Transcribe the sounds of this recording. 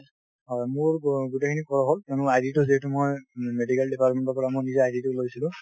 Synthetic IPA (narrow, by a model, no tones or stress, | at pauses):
ɦɔjmʊɹɡutekʰinikɔɹɔɦoltonʊajditʊziɦɛtumojmedikaldipaɹtmɛntɔpɔɹamojnizaajditulojsilʊ̃